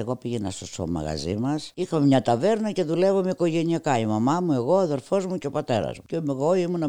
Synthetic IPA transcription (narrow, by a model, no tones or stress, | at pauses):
eɣopiʝenɐst̪oso̰mɐ̰ɣɐ̰zimɐsixɐmemɲɐt̪ɐve̞ɾnɐce̞ðule̞vomeiko̞ʝe̞niɐkɐimɐmɐmue̞ɣo̞ɐðe̞ɾfo̞zmuceo̞pɐt̪e̞ɾɐ̰zmucemeɣoimunɐ